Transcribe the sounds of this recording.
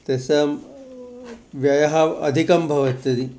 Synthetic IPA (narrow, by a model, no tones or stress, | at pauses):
t̪esɐm | ʋjɐjɐɦɐɐ̰d̪ʱikɐmbʱɐʋɐt̪jɐd̪i